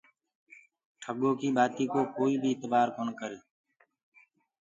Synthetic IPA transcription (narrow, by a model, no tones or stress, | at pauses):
ʈʰəɡoːkiːɓaːt̪iːkoːkoːiːbʱiːɪt̪baːɾkoːnkəɾeː